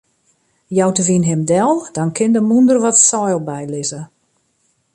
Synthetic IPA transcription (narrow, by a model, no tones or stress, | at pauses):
jɔwtəʋinɦɪmdɛlˠd̥ɔnkʰɪndəmundərʋɔtsɔjlˠbɛjlɪzə